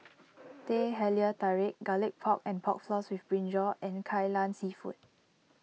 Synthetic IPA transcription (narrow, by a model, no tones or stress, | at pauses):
teɦɛliətaɹek̚ɡalɪk̚pʰɔk̚ɛ̃npʰɔk̚flɔswifbɹĩnd͡ʒɔʔɛ̃nkʰajlãnsifṵt̚